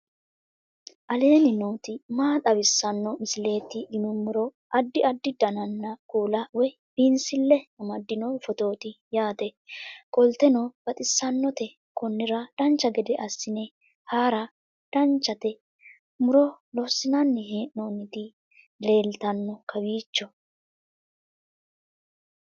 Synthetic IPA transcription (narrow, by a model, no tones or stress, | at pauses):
ʔɐle̞ːnɪnoːt̪ɪmaːt̪ʼɐbɪsːɐnːɔmɪsɪle̞ːt̪ːɪʔɪnʊmʊɾɔ | ʔɐd̪ːɪɐd̪ːɪd̪ɐnɐnːɐkʼuːlɐwɔj | b̥insɪlːɛɐmɐd̪ːɪnɔfɔt̪o̞ːt̪ɪjaːt̪ɛkʼɔlt̪ɛnɔb̥ɐt̪ʼɪsːɐnːɔt̪ɛ | kɔnːɪɾɐd̪̥ɐnt͡ʃːɐɡɛd̪ɛʔɐsːɪnɛ | haːɾɐ | d̪̥ɐnt͡ʃːɐt̪ɛ | mʊɾɔlɔsɪnɐnːɛɦeːʔnoːnɪd̪ɪ | le̞ːlt̪ɐnːɔkʰɐbiːt͡ʃːɔ